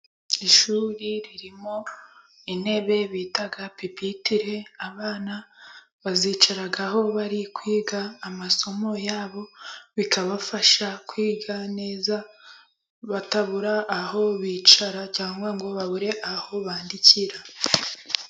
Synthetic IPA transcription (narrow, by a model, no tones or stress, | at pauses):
iʃuːɾiɾiɾimo̞ | ine̞βe̞βiːtaɡapipitiɾe̞aβaːna | βaziːt͡ʃaɾaɡaho̞βaɾikwiːɡaːmaso̞mo̞jaːβo̞βikaβafaʃakwiːɡane̞ːza | βataβuɾaʔːho̞βiːt͡ʃaɾacaːŋɡwaŋɡwoβaβuɾe̞ʔaho̞βaːndiciɾa